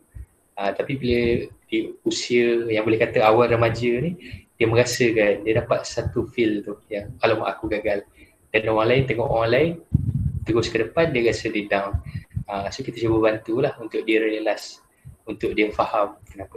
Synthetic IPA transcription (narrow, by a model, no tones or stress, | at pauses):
ət̪apibilədiusiəjaŋbolɛhkat̪əawalrəmad͡ʒənid̥iəmə̃ŋɡasəkandiədapat̪̚sat̪ufilt̪ʊhjaŋkalama̰ʔa̰kuɡaɡal | d̥anowaŋlaɪnt̪ɛŋɔʔowaŋlaɪnt̪əɡʊskədəpandiəɣasədidawnəsokit̪əsubəbant̪ulahunt̪ʊʔ̚diəɾələlas | unt̪ʊk̚diəfahamkənapə